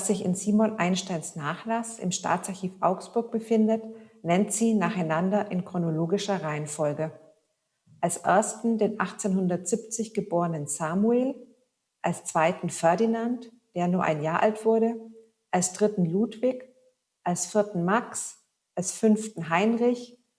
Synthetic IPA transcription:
v̥asz̥ɪçɪ̰nziːmɔnʔaɪnʃtaɪnsnaːχlasɪ̰mʃta̰ːtt͡saɐçiːfʔa̰ʊksb̥ʊɐk̚b̥əfɪndətnɛntz̥iːnaːχaɪnandɐʔɪnkʁ̥onoloːɡɪʃɐʁaɪənfɔlɡə | ʔalsʔɛ̰ɐstn̩deːnʔaχt͡seːnhʊndɐtz̥ɪp̚t͡sɪçɡ̥əboːʁənənz̥aːmueːl | ʔalst͡sv̥aɪtn̩fɛɐdinant | d̥eːɐnuːɐʔa̰ɪnjaːɐʔa̰ltv̥ʊɐdə | ʔalsd̥ʁɪtn̩luːtv̥ɪk | ʔalsfɪɐtn̩maks | ʔalsfʏnftn̩ɦaɪnʁɪç

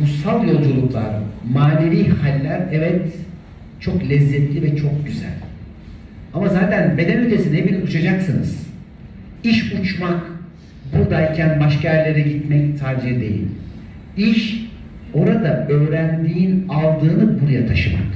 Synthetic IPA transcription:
busalˠjo̞lˠd͡ʒulˠuklˠa̰ɾmaːneɾiːhalʲːæɾɛvɛt̪ | t͡ʃʰo̞klʲɛzːɛt̪lʲivɛt͡ʃʰo̞k̚ɟyzæ̰lʲ | amazaːt̪ʰænbe̞d̪ɛnyt̪ʰesinebilʲiut͡ʃʰad͡ʒaksɯnɯ̰z̥ | iʃut͡ʃmak | buɾd̪aicʰænbaʃkaɛɾlʲeɾɛɟit̪mɛct̪ʰaɾd͡ʒijid̪ejḭlʲ | iʃ | o̞ɾad̪aø̞ːɾænd̪iːinalˠd̪ɯːnɯbuɾajat̪ʰaʃɯma̰k

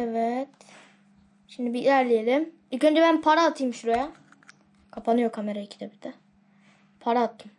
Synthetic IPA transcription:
evɛt̪ | ʃimd̪ibiilʲæɾlʲijelʲim | icønd͡ʒɛbænpʰaɾaːt̪ʰɯjɯmʃuɾaja | kʰapʰanɯjokʰame̞ɾajacʰi̥d̪ɛbid̪ɛ | pʰaɾaːt̪ʰːɯm

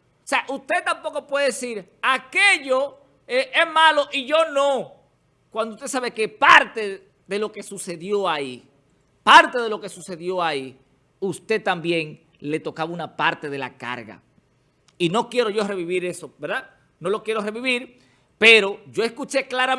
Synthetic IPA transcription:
ose̞aʔust̪e̞t̪ampo̞ko̞pwe̞ðe̞ðesiɾake̞ʝo | eʔezmalo̞ʔiʝo̞no | kwand̪oust̪e̞s̬aβe̞ke̞paɾt̪e̞ | ðe̞lo̞ke̞suse̞ðjo̞ai | paɾt̪e̞ðe̞lo̞ke̞suse̞ðjo̞ai | ust̪e̞t̪ambje̞ŋ | le̞t̪o̞kaβaunapaɾt̪e̞ð̞e̞la̰ka̰ɾɣa̰ | ino̞kje̞ɾo̞ʝo̞re̞βiβiɾe̞so̞beɾða | no̞lo̞kjeɾo̞re̞βiβiɾ | pe̞ɾo̞ʝo̞eskut͡ʃe̞klaɾa

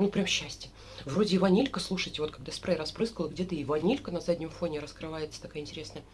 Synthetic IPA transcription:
nupɾʲamɕːæsʲtʲə | vro̞dʲɪɪvɐnʲilʲkəslˠuʂɨjtʲɪvot̪kaɡd̪aspɾajɾɐspɾɨskəlˠəɡdʲet̪əɪɪvɐnʲilʲkənɐzadʲnʲɪmfo̞nʲɪɾəskɾɨvajɪt̪sə̥t̪ɐkajəɪnʲtʲɪɾʲe̞snəjə

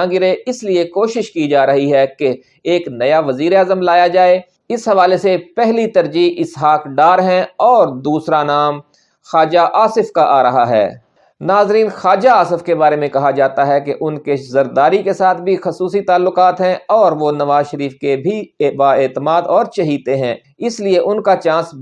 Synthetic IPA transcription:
ãːŋɡɪɾeɪsliekoːʃɪʃkid͡ʒaːɾɐɦiɦɛke | eːknɐjaʋɐziːɾeaːzəmlaːjad͡ʒaːe | ɪsɦɐʋaːlesepɛɦlit̪ɐɾd͡ʒiːɦɪsɦaːkɖaːɾɦɛ̃ɔːɾd̪uːsɾanaːm | xaːd͡ʒaʔaːsɪfkaʔaːɾɐɦaɦɛ̰ː | naːzɾiːnxaːd͡ʒaaːsɪfkebaːɾemẽkɐɦad͡ʒaːt̪aɦɛkeʔʊnkezɐɾd̪aːɾikesaːt̪̚ʰbʱixɐsuːsit̪aːlːʊkaːt̪ɦɛ̃ɔːɾʋonɐʋaːzʃəɾiːfkebʱibaːeːt̪əmaːd̪ɔːɾt͡ʃɐɦiːt̪eɦɛ̃ː | ɪslieʔʊnkat͡ʃãːs

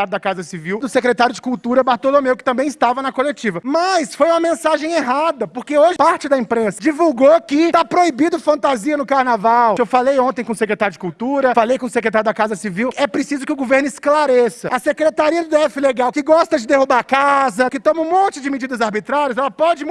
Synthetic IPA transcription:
aɾʊd̪ɐkazɐsiviwd̪ʊsekɾet̪aɾjʊd͡ʒɪkuwt̪uɾɐbaɾt̪olomewkɪ̥t̪ɐ̃mbẽj̃ɪst̪avɐnɐkolet͡ʃivɐmɐsfojũmɐmẽsaʒẽj̃eɦad̪ɐpoɾkeoʒɪpaɾt͡ʃɪd̪ɐĩpɾẽsɐd͡ʒivuwɡokɪt̪apɾoibid̪ʊfɐ̃nt̪aziɐnʊkaɾnavawewfalejõnt̪̬ẽj̃kõʊsekɾet̪aɾjʊd͡ʒɪkuwt̪uɾɐfalejkõʊsekɾet̪aɾjʊd̪akazɐsiviwɛpɾɪsizʊkɪʊɡoveɾnʊɪsklaɾesɐɐsekɾet̪aɾiɐd̪ʊd̪eɛfɪleɡawkɪɡɔst̪ɐd͡ʒɪd̪ehubaɾakazɐkɪt̪õmɐũmõnt͡ʃɪd͡ʒɪmɪd͡ʒid̪ɐzaɾbit̪ɾaɾjiɐzɛlɐpɔd͡ʒɪm̃

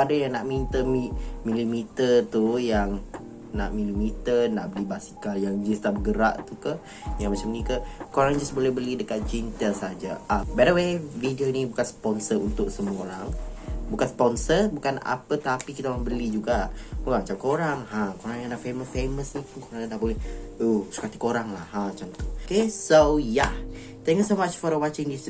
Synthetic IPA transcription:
adajaŋnaʔmint̪əmimilimit̪ərt̪ujaŋ | na̰ʔmilimit̪ərnaʔbəlibasi̥kaljaŋd͡ʒust̪aʔbəɡəɾa̰ʔt̪ukəh | jaŋmat͡ʃamnikəkoɾaŋd͡ʒasbolɛhbəlidəkat̪̚d͡ʒint̪ɛlsaɦad͡ʒaabɛdəwevidionibukanspɔnsərunt̪ʊʔsəmuoɾaŋbukanspɔnsəbukana̰pət̪apikit̪alabəlid͡ʒuɡaʔbokamat͡ʃamkoɾaŋhãkoɾaŋjakənaʔfeməsfeməsipukoɾaŋad̪aʔbolɛhuhsu̥kat̪ikoɾaŋlahhãmat͡ʃamt̪ukesoja | t̪ɛ̃ŋkjusomat͡ʃfɔɾəwat͡ʃɪ̃ŋdis

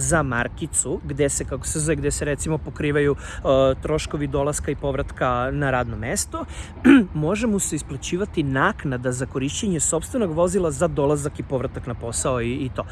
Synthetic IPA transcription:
zama̰ɾkit̪suɡd̪e̞se̞kako̥səzeɡd̪eseɾet̪simo̞po̞kɾiːʋaju | t̪ɾo̞ʃko̞ʋid̪o̞lˠaskaipo̞ʋɾat̪kanaɾaːd̪no̞mest̪o̞ | mo̞ʒemuseisplˠat͡ɕiːʋat̪inaːknad̪azako̞ɾiʃt͡ɕeɲe̞so̞pst̪vʋe̞no̞ɡʋo̞zilˠazad̪o̞lˠazakipo̞ʋɾat̪aknapo̞saoiit̪o̞ː

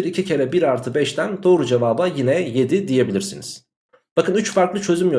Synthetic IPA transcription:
iɾicʰicʰe̞ɾɛbiɾaɾt̪ʰɯbɛʃt̪ʰænd̪o̞ːɾud͡ʒevaːbajinɛje̞d̪id̪ije̞bilʲiɾsḭniz̥ | b̥akɯnyt͡ʃfaɾklˠɯt͡ʃʰø̞zymjø

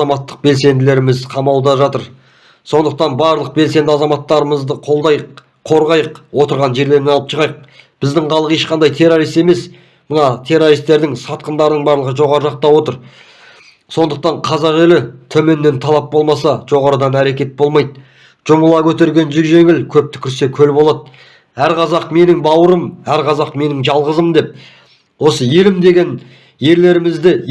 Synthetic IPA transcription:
ɑmɑt̪ːə̥q̚be̞lse̞nd̪ɪle̞ɾɪmɪzqʰɑmɑwˠd̪ɑʒɑt̪əɾ | so̞nd̪əq̚t̪ɑnbɑɾlˠəq̚be̞lse̞nd̪ɪɑzɑmɑt̪ːɑɾəməzd̪əqʰolˠd̪ɑj | qʰo̞ɾʁɑjəqwo̞t̪əɾʁɑnʒe̞ɾle̞ɾnenɑlˠəpʃʰəʁɑjəq̚b̥ɪzd̪ɪŋqʰɑlˠəqe̞ʃqɑnd̪ɑjt̪ʰe̞roɾijst̪e̞me̞s | mənɑt̪ʰe̞ɾo̞ɾist̪e̞ɾd̪ɪŋsɑt̪̚qənd̪ɑɾənəɴbɑɾlˠəʁəʒo̞ʁɑɾəʒɑq̚t̪ɑwo̞t̪əɾ | so̞nd̪əq̚t̪ɑɴqʰɑzɑʁelɪt̪ʰɵme̞nːe̞nt̪ʰɑlˠɑp̚bo̞lˠmɑsɑʒ̥o̞ʁɑɾəd̪ɑnæɾe̞kʲe̞t̪̚bo̞lˠmɑjd̪ | ʒ̥ʊməlˠɑkʲʰɵt̪e̞ɾɡʲe̞nʒʏʒe̞ŋɪlkʲʰɵp̚t̪ɪ̥kʲʰɪɾse̞kʲʰɵlbo̞lˠɑd̪̚ | æɾqʰɑzɑqme̞nɪŋbɑwəɾəmæɾqʰɑzɑqme̞nɪŋʒɑlˠʁəzəmd̪e̞p̚ | wo̞səje̞lɪmd̪e̞ɡʲe̞n | je̞ɾle̞ɾɪmɪzd̪ɪ

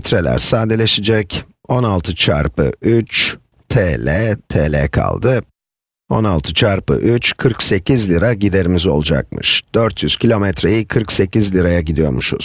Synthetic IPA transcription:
t̪ɾelʲæ̰ɾsaːd̪elʲe̞ʃid͡ʒɛc | o̞nalˠt̪ʰɯt͡ʃʰa̰ɾpɯ̰yt͡ʃ | t̪ʰeːlʲɛt̪ʰeːlʲɛ̰kʰa̰lˠd̪ɯ | o̞̰nalˠt̪ʰɯt͡ʃʰaɾpɯ̰ʔyt͡ʃkʰɯɾkse̞cʰizlʲiɾaɟid̪e̞ɾimizo̞̰lˠud͡ʒa̰k̚mɯ̰ʃd̪̥øɾt̪ʰjyz̥cʰilʲo̞mɛt̪ɾe̞jikʰɯɾkse̞cizlʲiɾajaɟid̪ijo̞̰ɾmuʃṵz̥

